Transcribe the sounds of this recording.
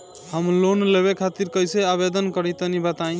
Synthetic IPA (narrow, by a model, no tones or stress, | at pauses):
həmlonleβekʰat̪iɾkəjseaβed̪ənkəɾit̪ənibət̪ã